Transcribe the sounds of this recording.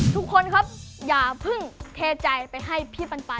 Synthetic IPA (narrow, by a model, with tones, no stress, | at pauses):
t̪ʰu˦˥kʰːo˧nkʰa˦˥p̚jaː˨˩pʰɯ˧˥˩ŋt̪ʰeː˧t͡ɕa˧jpa˨˧jɦa˥˩jpʰiː˧˥˩pa˧npa˧